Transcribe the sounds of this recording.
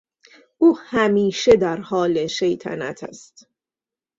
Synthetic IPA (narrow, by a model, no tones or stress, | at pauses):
ʔuːhæmiːʃe̞d̪æɾhɒːle̞ʃe̞jt̪ʰæ̰næ̰t̪ʰæ̰st̪